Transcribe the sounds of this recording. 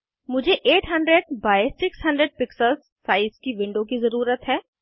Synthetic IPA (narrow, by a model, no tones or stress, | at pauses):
mʊd͡ʒʱeʔeːʈɦɐ̃ɳɖɾeɖ̚baːɪsɪksɦɐ̃ɳɖɾeɖ̚pɪksəlzːaːɪzkiʋɪ̃ɳɖõkizɐɾuːɾət̪ɦɛː